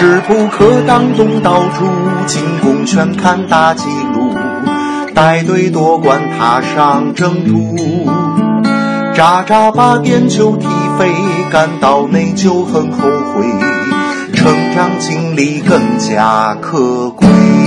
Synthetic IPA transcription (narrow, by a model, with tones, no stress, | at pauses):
ʈ͡ʂɻ̩˨˩pu˥˩kʰɤ˧˥t̪ɑ˥ŋt̪ʊ˥ŋt̪ɑ˧˥ʊʈ͡ʂʰu˥t͡ɕʰi˧˥ŋkʊ˧˥ŋt͡ɕʰɥɛ˧˥nkʰa˥˧nt̪a˧t͡ɕi˧˥lu˧ | t̪a˥˧ɪt̪we˥˩ɪt̪wɔ˧˥kwa˧˩nt̪ʰa˧˥ʂɑ˧ŋʈ͡ʂɤ˥˧ŋt̪ʰu˧˥ | ʈ͡ʂa˧˩ʈ͡ʂa˥pa˥p̪jɛ˥nt͡ɕʰjo˥ʊt̪ʰi˨˩fe˥ɪka˧˩nt̪ɑ˨˩ʊne˥˩ɪt͡ɕʰjo˥ʊxə˧˥˩nxo˧˥ʊxwe˧˥ɪ | ʈ͡ʂʰɤ˧˥ŋʈ͡ʂɑ˥ŋt͡ɕʰi˧˥ŋli˧˥kɤ˥˩ŋt͡ɕja˥˧kʰɤ˥˧˩kwe˥˩ɪ